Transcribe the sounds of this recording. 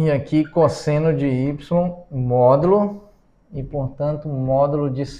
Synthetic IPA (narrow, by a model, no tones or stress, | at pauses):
ɐkikosẽnʊd͡ʒɪipslõw̃mɔd̪ulʊ | ɪpoɾt̪ɐ̃nt̪ʊmɔd̪ulʊd͡ʒis